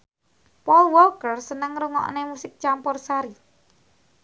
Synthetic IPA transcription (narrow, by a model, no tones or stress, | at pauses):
pɔlwɔkərsənəŋɾuŋɔ̰ʔnemusɪk̚t͡ʃampɔrsaɾi